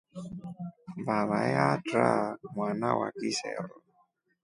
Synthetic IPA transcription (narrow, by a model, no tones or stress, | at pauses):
baβajatɾamwanawʔa̰kisɛ̰ɾɔ